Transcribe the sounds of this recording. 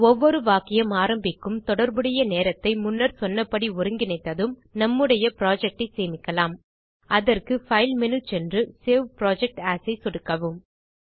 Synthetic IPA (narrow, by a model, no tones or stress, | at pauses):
ɔʋːɔɾɯʋaːkɪjɐmaːɾɐmbɪkːɯmt̪ɔɽɐɾbɯɽɐjɐneːɾɐt̪ːɐɪmʊnːɐɾsɔnːɐpːɐɽiʊɾɯŋɡɪnɐɪt̪ːɐðɯmnɐmːɯɽɐjɐpɪɾaːd͡ʒɛk̚ʈɐɪseːmɪkːɐlaːm | ɐðɐrkɯfɐɪlmɛnɯt͡ʃɛndrɯseːʋpɾaːd͡ʒɛk̚ʈaːsɐɪsɔɽɯkːɐʋɯm